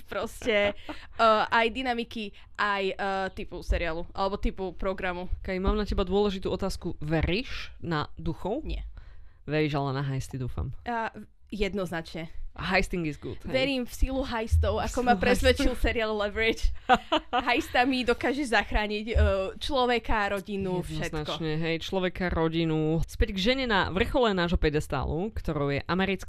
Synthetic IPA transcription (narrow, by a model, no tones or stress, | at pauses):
pɾɔscɛəʔajd̪inamiki | ʔajt̪ipusɛɾialuʔa̰lɛbɔt̪ipupɾɔɡɾamukɛimaːmnacɛbad̪ʊɔlɛʒit̪uːɔt̪aːskuʋɛɾiːʃnad̪uxɔʊɲɪɛ̰ | ʋɛɾiːʒalɛnaɦajst̪id̪uːfa̰ma | jɛd̪nɔznat͡ʃɲɛɦajst̪iŋɡizɡṵd̪ɛʋɛɾiːmfsiluɦajst̪ɔʊakɔmapɾɛsʋɛt͡ʃilsɛɾiallɛʋɾit͡ʃ | ɦajst̪amid̪ɔkaːʒɛʒzaxɾaːɲicːt͡ʃlɔʋɛkaɾɔɟinufʃɛtnakɔɲɛɦɛjt͡ʃlɔʋɛkaɾɔɟinuspɛɟɡʒɛɲɛna̰ʋr̩xɔlɛnaːʒɦɔpɛd̪ɛst̪a̰ːlukt̪ɔɾɔʊjɛʔamɛɾit͡sk